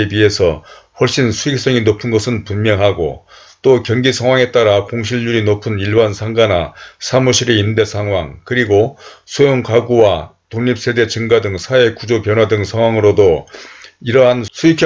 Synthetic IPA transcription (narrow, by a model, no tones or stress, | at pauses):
ebie̞sʰʌɸwʌɭɕ͈insʰuik̚s͈ʌŋinopʰɯnɡʌsʰɯnpunmjʌŋɦaɡo̰ | t͈okjʌŋɡisʰaŋwaŋe̞t͈aɾakoŋɕʰiʎːuɾinopʰɯniɭbansʰaŋɡanasʰamuɕʰiɾeinde̞sʰaŋɦwaŋkɯɾiɡosʰojoŋkaɡuwatoŋɲip̚s͈e̞de̞t͡ɕɯŋɡadɯŋsʰae̞kud͡ʑopjʌnɦwadɯŋsʰaŋwaŋɯɾodo | iɾʌɦansʰuikʰ